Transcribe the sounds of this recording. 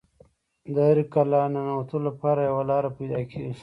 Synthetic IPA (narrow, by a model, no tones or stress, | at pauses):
d̪əaɾikalananawat̪olapɑːɾajawalɑɾapajd̪ɑːkʰeɡi